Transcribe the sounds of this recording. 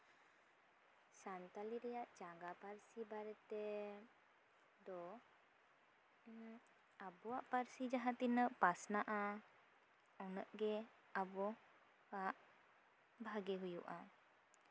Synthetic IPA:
sant̪aliɾɛjaʔd͡ʒaɡapaɾsibaɾɛt̪ɛ | d̪ɔ | abɔwaʔpaɾsid͡ʒaɦat̪inəʔpasnaʔa | ɔnəʔɡɛ | abɔ | aʔ | bʱaɡɛɦujṵʔa

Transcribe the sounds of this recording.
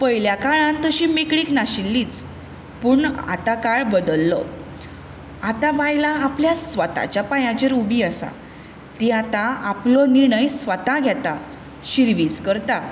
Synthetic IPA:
pəjljakaɭãnt̪əɕiːmikɽiːknaɕilːiːt͡s | puːɳa̰t̪akaɭbəd̪əlːə̰ | at̪ãʋajlaːpljasʋət̪a̰t͡ɕjapajãt͡ɕeɾubiasa̰ | t̪iat̪aaplɔniɾɳəjsʋət̪ãɡʱjɛt̪a | ɕiɾʋiːskəɾt̪a

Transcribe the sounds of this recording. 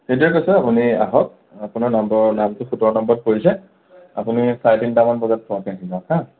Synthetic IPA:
xet̬ɹɛkojsɛapunia̰ɦɔt̚ | apunaɹnambɔɔnamtʊxutɔɹɔnɔmbɔt̚poɹisɛ | apunisaɹdintamanbɔɡat̚pʰɔakɛaɦizɔ̃kʰa

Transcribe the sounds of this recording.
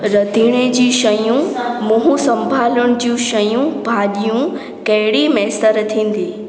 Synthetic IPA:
ɾɐd̪ʱiːɽ̃ed͡ʑiːʃɐjũmʊ̃ɦũsɐ̃mbʱaːlʊɽ̃ʊ̆d͡ʑiũʃɐjũbʱaːɗijũ | kɐɦɪɽimɛːsəɾt̪ʰĩːn̆d̪iː

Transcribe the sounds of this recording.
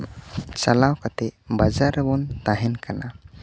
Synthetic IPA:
t͡ʃalawkat̪ɛbad͡ʒaɾbɔnt̪aɦɛnkana

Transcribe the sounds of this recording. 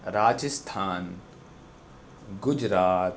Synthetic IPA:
ɾaːd͡ʒəst̪ʰaːn | ɡʊd͡ʒɾaːt̪

